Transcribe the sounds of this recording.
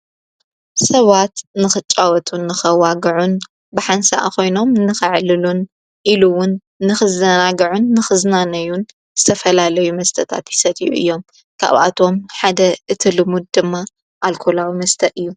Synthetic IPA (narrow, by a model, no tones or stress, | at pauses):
sɐβat̪nɨxɨt͡ʃʼːawɔt̪ʰunːɨxɐwaɡɨʕun | bɨħansa̰ʔko̞jno̞mnɨxɨʕlɨlun | ʔiluwʊnː | ɨxɨzɐnaɡɐʕunːɨxɨznanɐjun | z̥ɨt̪ʰɐfɐlalɐjumɐst̪ʰɐt̪ʰa̰t̪jɪ̥sɐt̪ʼiʔṵʔɨ̰jːo̞m | kʰa̰βʔa̰t̪ʰo̞mħad̪ɐʔɨt̪ʰilɨmud̪̚d̪ɨmːa | ʔalkʰolawimɐst̪ʰɐʔɨjːu